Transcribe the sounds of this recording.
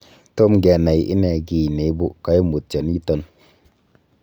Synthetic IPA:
to˦mɡɛ˧˨na˨jʔḭ˦nɛ˨ɡi˨ne˨i˦bu˦ka˦i˦mu˨t̚t͡ʃa˨nji˦to˧n

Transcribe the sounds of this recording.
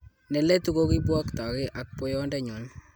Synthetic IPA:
nɛ˨lɛ˦tu˦ko˦ki˦bwɔ˦kt̪ɔ˨kɪ˦ʔa˨k̚po˦jo˦ndɛ˦ɲɔ˨n

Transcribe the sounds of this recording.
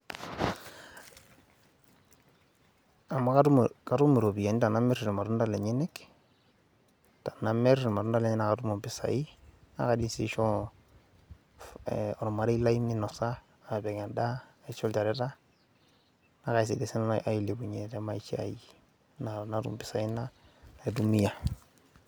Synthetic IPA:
a˨ma˦kaukatu˦me˨ɾo˨bi˨ja˨ni˦ta˨na˦mɛ˦ɾɾma˨ɾu˦nda˦lɛ˨ɲɛ˦nɛ˦k | ta˨name˦ɾma˨ɾunda˦lɛ˨ɲɛ˦na˨katu˦mo˨mpɪ˦sa̰˨i˦na̰˨ka˦dinsḭ˦ʃɔ˦ | ɔ˨ɾma˨ɾe˦la˦i˦mni˦nɔ˨saː˦˨ | bɛ˨ɡɛ˨nda˦˨i˨t͡ʃɔ˦lt͡ʃa˨ɾɛ˦ta˦ | na˦ka˨js̬i˨de˨si˦na˨ji˨le˨bu˨ɲe˨tema˦i˦t͡ʃi˦a̰˨ji | na˨na˦tṵ˦mpɪ˨sa˨i˦na˦na˨du˦mi˦ja

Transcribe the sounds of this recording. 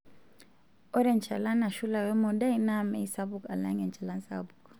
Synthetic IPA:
ɔ˦ɾɛ˨nt͡ʃʰa˨la˦na˨ʃu˦la˨wɛ˦mɔ˨da˦i˦˨na˦˨mɛ˦i˦sa˦βu˨ka˨la̰˦ŋɛ˨nt͡ʃʰa˨la˦n˦sa̰˦bu˨k

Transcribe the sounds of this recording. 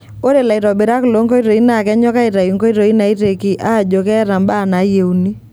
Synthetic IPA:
o˦ɾe˨la˨i˨ɾɔ˨be˨ɾa˦klo˦ŋɡo˦i˦ɾo˨i˦na˨kɛ˦ɲɔ˦ka˦i˨ɾa˨i˨ŋɡo˦i˦ɾo˨i˦na˨i˦ɾe˨ki˨ʔa˦˨d͡ʒo˨kɛ˦ɾa˨mba˦˨na˨˦je˨u˦ni˦

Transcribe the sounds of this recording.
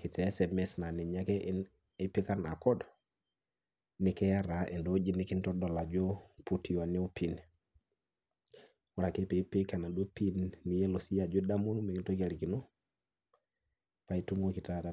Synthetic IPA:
ki˨tɛ˨˦sɛ˨mɛsna˨ni˨ɲa˦ke˦ʔi˦n | e˦pi˦ka˦na˨kɔ˦d | ni˨kɛ˦ja˦ɾa˨ʔe˨ndo˦d͡ʒi˦ni˦ki˦nto˦do˨la˨d͡ʒo˦pu˦ti˨wa˨ni˦o˦pi˨n | wɔ˨ɾa˨ke˦pe˨pi˦ka˨na˨do˦pi˦nːi˨je˦lo˨si˦ja˨d͡ʒo˦da˦mu˦n˦me˨ki˦nto˦ke˨ɾi˨ki˨no˦ | pa˨i˦tu˦ŋɡo˦ki˨ta˦da˨

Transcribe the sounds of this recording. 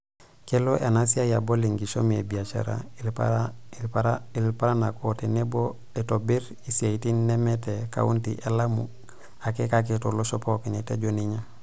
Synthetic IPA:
ke˦lo˦ʔa˨na˦si˦a˦ja˨bo˦li˨ŋɡi˨ʃo˦mi˨ḛ˨bi˨a˨t͡ʃa̰˨ɾa̰˨ | i˨lpa˦ɾa˦na˨ko˦te˨ne˦bo˦ | e˨to˨bi˦ɾ | i˨si˨a˨i˨ti˦nːe˦me˦te˨ka̰˦ṵ˦ntḭ˨ʔe˨la˦mṵ | a˨ke˦ka˦k̬eto˨lo˦ʃopo˦ki˨ne˨te˦ɟo˦ni˦ɲa˦

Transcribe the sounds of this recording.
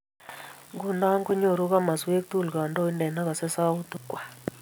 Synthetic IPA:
ŋɡu˦nda˦ŋɡu˦ɲo˦˨ɾu˦ɣa˦ma˨swe˦k̚t̪u˦˨lɡa˨ndo˦i˦ndɛ˨na˦ɣɔ˨sɛ˦sa˦u˦t̪u˦kwa˨

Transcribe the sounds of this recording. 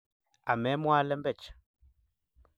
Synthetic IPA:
a˨mɛ˨˦mwa˦lɛ˦mbɛ˦˨t͡ʃḁ˨

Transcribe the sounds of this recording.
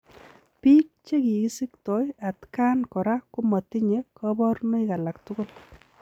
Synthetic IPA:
pi˦k̚t͡ʃe˦ki˨ɪ˦sɪ˦ktɔ˨˦ja˨tka˦nkɔ˨ɾa˦kʊ˦ma˨ti˦ɲe˦kɔbɔ˦ɾno˦ɪ˦ka˨la˨ktʊ˦ko˦l

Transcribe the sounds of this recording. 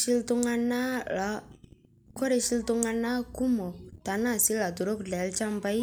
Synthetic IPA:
i˦ltu˦ŋa˦na˦la˨˦ | kɔ˦ɾe˦ʃi˦lt̪u˧ŋa˧na˦ku˦mɔ˨t̪a˨na˦˨si˦la˨du˨ɾo˦klɛ˨˦lt͡ʃa˦mba˦j

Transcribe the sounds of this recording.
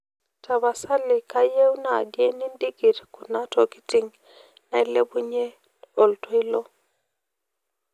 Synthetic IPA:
tʰa˨βa˨sa˦lɪ˨ka˦je˦wu˦na̰˨ɡje˦ni˦ndi˦ɡi˨ɾku˨na˦tɔ˨ki̥˦ti˨ŋ | na˦i˦le˦bu˦ɲe˦ | o˨ltwi˦lo˦

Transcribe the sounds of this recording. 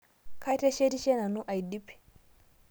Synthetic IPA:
ka˦i˦te˦ʃe˦ti˦ʃe˦na˨nu˦ʔa˨i˨di˦pːi̥˨

